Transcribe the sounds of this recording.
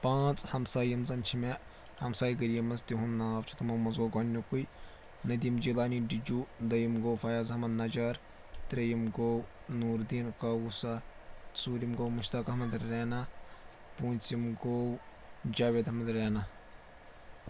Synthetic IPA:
pãːt͡sʼhɐmsaːjimzɐnt͡ʃʰime | hɐmsaːjɡɐɾijɐmɐzt̪iɦunːaːbt͡ʃʰu̥t̪umɐmɐzɡoːɡɐnʲːukuj | nɐd̪imd͡ʒilaːniɖid͡ʒuːd̪ɐjimɡoːwfɐjaːzɦɐmɐnnɐd͡ʒaːɾ | t̪ɾɐjimɡow | nuːɾd̪iːnkɐwusɐsuːɾimɡoːwmuʃt̪ɐkɐɦɐmɐd̪ːeːnɐ | puːnʲt͡simɡow | d͡ʒaːʋʲeːd̪ɐmɐd̪ɾeːnɐ

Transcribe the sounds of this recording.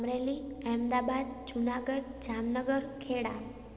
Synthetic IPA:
mɾeliɛmd̪abad̪̚d͡ʒunaɡəɽd͡ʒamnəɡəɾkʰeɽa̰

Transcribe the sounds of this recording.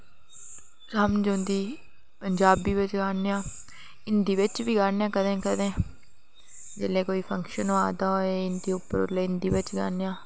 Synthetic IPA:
ɾəmd͡ʒõːnd̪iː | pəɲd͡ʒaːbiːʋɪt͡ʃɡaːnejãː | ɪnd̪iːʋɪt͡ʃʋiːɡaːnjãːkəd̪ẽːkəd̪ẽː | d͡ʒḛːleːkoːiːpʰə̃ŋkʃənoaːd̪aːɦoːeɪnd̪iːʊpːəɾʊ̰leːɪnd̪iːʋɪt͡ʃɡa̰ːnjãː

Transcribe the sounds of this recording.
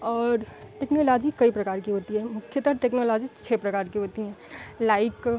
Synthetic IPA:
ɔːɾʈeːknoːlɔːd͡ʒikɐipɾɐkaːɾkiɦoːt̪iɦɛmʊkʰjət̪əɾʈeːknoːlɔːd͡ʒit͡ʃʰeːpɾɐkaːɾkiɦoːt̪iɦɛːlaːɪk

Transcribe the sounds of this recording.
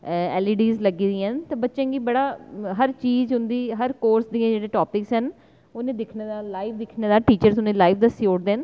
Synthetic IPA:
ɛːliːɖiːzləɡiːd̪iɦənt̪eːbətːʃẽːɡiːbəɽaːɦəɾt͡ʃiːzɦʊ̃nd̪iːɦəɾkoːɾsd̪ijãːd͡ʒeːɽẽːʈɔːpɪksɦən | onẽːd̪ɪkʰneːd̪aːlaːiʋd̪ɪkʰnẽːd̪aːʈiːt͡ʃəɾsʊnẽːlaːiʋd̪əsoːʈd̪eːn

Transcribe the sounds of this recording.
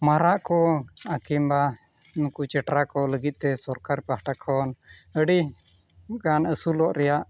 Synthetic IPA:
maɾaʔkɔakimba | nukut͡ʃɛʈɾakɔləɡit̪̚ˀt̪ɛsɔɾkaɾpəɦʈakʰɔnəɖi | ɡanəsulɔʔɾɛjaʔ

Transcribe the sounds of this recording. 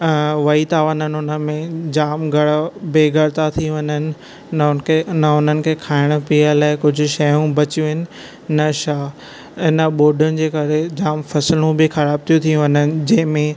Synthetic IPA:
ʋɐit̪aːʋənənɪʊnəmẽd͡ʑaːmɡʱɐɽbeːɡʱɐɽt̪at̪ʰijũʋɐɲənɪ̆ | nnəʊnənɪ̆kʰeːkʰaːɪɽ̃piːəlaːɪkʊd͡ʑʱʊ̆ʃɐjũbɐt͡ɕjũɦɪnɪ̆ | nɐʃaː | ɪnəɓoːɖʊnɪ̆d͡ʑeːkɐɾed͡ʑaːmfɐslũbɪxɐɾaːb̚t̪ʰijũt̪ʰijũʋɐɲənɪ̆d͡ʑɐ̃ɦɪ̃mẽ

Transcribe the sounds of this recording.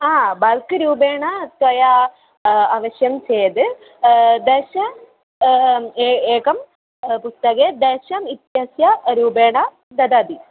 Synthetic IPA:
aːbɐlkɨɾuːbeːɳɐt̪ʋɐja | aːʋɐɕjɐmt͡ɕeːjɐd̪ɨ | d̪eːʃɐ | eːkɐm | pust̪ɐɡed̪eːʃɐmit̪jɦɐsjɐɾuːbeːɳɐ | d̪ɐd̪aːd̪i

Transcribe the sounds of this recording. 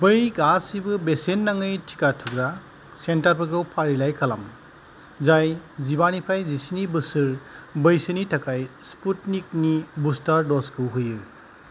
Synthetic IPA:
bɯjɡasibɯbesenːaŋɯjtʰi̥katʰuɡɾa | sentaɾpʰɯɡɾɯwpʰaɾilajkʰala̰m | zajzibanipʰɾajzisinibɯsɯɾbɯjsɯnitʰakajsputnik̚nibustaɾdɔskʰɯwɦɯjɯ

